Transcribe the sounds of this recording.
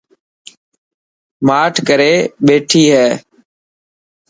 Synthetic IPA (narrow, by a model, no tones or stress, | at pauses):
maːʈʰkəɾeːɓeːʈʰiːɦɛː